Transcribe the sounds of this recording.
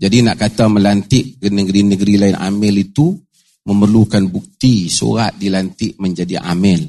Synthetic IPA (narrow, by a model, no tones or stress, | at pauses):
d͡ʒadinaʔkat̪amə̃lant̪ɪʔənəɡɾinəɡəɾilaɪnʔa̰mɪlit̪u | məmərlukanbuk̚t̪iso̰ɾaʔ̪̚dilant̪ɪʔməɲd͡ʒadiʔa̰mɪl